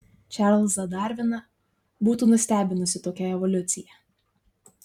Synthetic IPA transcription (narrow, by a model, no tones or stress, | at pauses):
t͡ʃʲɑɾlʲˠsɐd̪ɑˑɾʲʋʲɪnɐ | buːt̪uːnʊsʲt̪ʲæːbʲɪnʊsʲɪt̪oːkʲɛɛʋɔlʲʊt̪sʲɪjɛ